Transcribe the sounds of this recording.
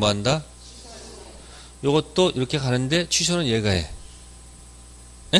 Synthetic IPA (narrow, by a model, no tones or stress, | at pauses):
manda | jʌɡʌt̚t͈oiɾʌkʰe̞kanɯnde̞t͡ɕʰisʰʌnɯnjeɡaɦḛ | e